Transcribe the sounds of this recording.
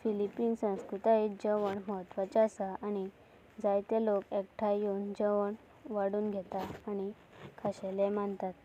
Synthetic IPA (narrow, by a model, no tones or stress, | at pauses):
filipiːnsə̃w̃skɾut̪aid͡ʑəʋəɳməɦət̪ʋat͡ɕaasaʔaɽ̃i | d͡zajt̪elokekʈʰajuːnd͡ʑəʋəɳ | ʋaɽuːnɡʱɛt̪aːñi | kʰaɕɛlemaɳt̪at̪